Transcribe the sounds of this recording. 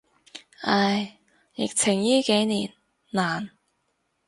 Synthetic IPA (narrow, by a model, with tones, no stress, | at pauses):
ʔɐ˧j | jɪ̰˨k̚t͡sʰɪ˨˩ŋjyː˥ke˨˥jniː˨˩n | naː˨˩n